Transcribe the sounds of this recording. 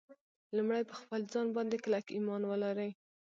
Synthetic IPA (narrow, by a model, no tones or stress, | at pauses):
lumɽajpəxpəlzɑnbɑnd̪ekəlakimɑnwəlaɾəj